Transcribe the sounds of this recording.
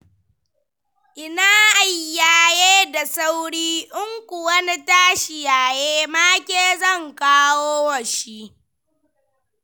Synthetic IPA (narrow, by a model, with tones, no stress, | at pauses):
ʔɪ˨naː˦ʔa˨jːaː˨jeː˦da˨sa˦wɽiː˦ʔʊ˦ŋkʷʊ˨wɐ˦ni˦taː˦ʃɪ˨jaː˨jeː˦maː˦kʲeː˦zɐ˦˨ŋkaː˦woː˦wɐ˨ʃi˦ʔ